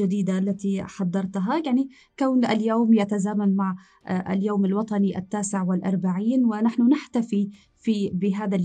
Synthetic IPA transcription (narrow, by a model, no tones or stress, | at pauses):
ad̪iːd̪aʔalːat̪iħɑd̪ˤːɑɾˤt̪ɦajaʕni | kawnʔaljoːmjat̪azaːmanmaʕ | ʔa̰ljoːmalwɑt̪ˤɑniʔa̰t̪ːaːsɪʕwɪlʔɑɾˤbaʕiːnwɪnaħnʊnɪħt̪afi | fibɪɦaːða